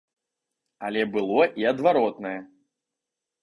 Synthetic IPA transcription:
ɐlʲɛbɨlˠɔʔiɐd̪vaɾɔt̪nɐjɛ

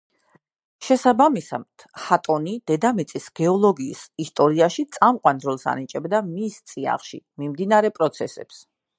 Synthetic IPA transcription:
ʃɛsabamisa̰t̪hat̪ʼɔnid̪̥ɛd̪amit̪sʼisɡ̥ɛɔlˠɔɡḭːsist̪ʼɔɾiaʃit̪sʼamqʼwanɾɔlˠsa̰nit͡ʃʼɛbd̪amist̪sʼia̰χʃḭmimd̪inaɾɛpʼɾɔt̪sʰɛsɛ̰ps

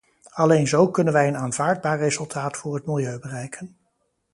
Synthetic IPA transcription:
ɑlejnzowkɵnənʋɛjənaːnvaːɹd̚baːrːezɵlˠtʰaːtfʊːrɦətmɪlˠjøɥbərɛjkʰən

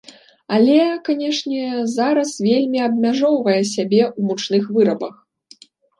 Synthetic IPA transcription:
alʲɛkanʲɛʂnʲɛzaɾɐsvʲelʲmʲiɐbmʲaʐɔwvɐjɛsʲabʲɛʔumut͡ʂnɨxvɨɾɐbɐx

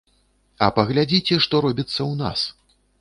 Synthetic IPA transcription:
ɐ̰pɐɣlʲad͡zʲit͡sʲɛʂt̪ɔɾɔbʲit̪sːɐwna̰s

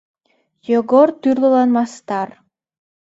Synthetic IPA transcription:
joɡoɾt̪yrlˠulˠɑnmɑst̪ɑr

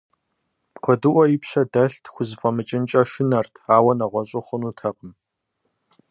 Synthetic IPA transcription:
qʷʰɔdɨʔʷɔjɪpɕɐdɐɬtʰxʷʊzɨfʼɐmɨt͡ʃʼɪnt͡ʃʼɐʃɪnɐrtʰaːwɐnɐʁʷɔɕʼɐχʷʊnuːtʰɐqʼəm

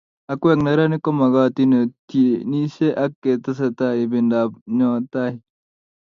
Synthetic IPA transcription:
ɐkueknɐɾanikomɐɡaːt̪inot̪ʰieniseʔɐkːet̪ɐs̬ɐt̪aːibindaːbnot̪aːɦi

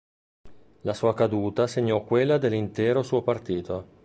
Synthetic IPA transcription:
lasuːakad̪uːt̪aseɲːɔkːwelːad̪elːint̪ɛːɾosuːopart̪iːt̪o

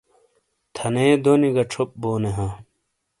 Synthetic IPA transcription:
t̪ʰɐneːd̪oniɡɐʈ͡ʂʰop̚boːneɦãː

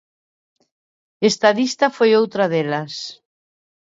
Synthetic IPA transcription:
est̪aðist̪afojowt̪ɾaðelas

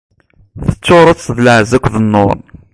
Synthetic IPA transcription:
θə̥t͡sːoɾˤət͡sːðləʕzækʷːðənːo̰ɾˤn

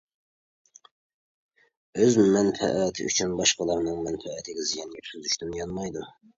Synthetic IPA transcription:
øzmɛnfɛ̰ʔɛt̪ʰɪ̰ʔy̰t͡ʃʰynbɑʃqɑlˠɑɾnɨŋmɛnfɛːt̪ʰɪɡʲɛzijɑnɡʲɛt̪ʲʰyzyʃt̪ynjɑnmɑjd̪um

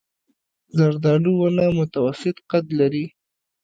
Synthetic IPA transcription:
zaɾd̪ɑluwanamʊt̪awasɪt̪qad̪laɾi

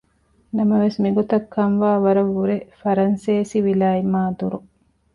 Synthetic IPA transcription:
nɐmɐʋesmiɡot̪ɐkʰːɐnʋaːʋɐɾɐʋːuɾefɐɾɐnseːsiʋilaːimaːd̪uɾu

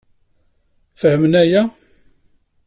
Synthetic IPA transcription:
fəhəmnæjæ

